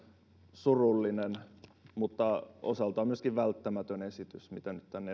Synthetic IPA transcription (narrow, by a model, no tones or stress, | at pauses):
surulːinenmut̪ːɑo̰sɑlt̪ɑːmyøskiʋʋælt̪ːæmæt̪ønesit̪ysmit̪ænyt̪t̪ænːe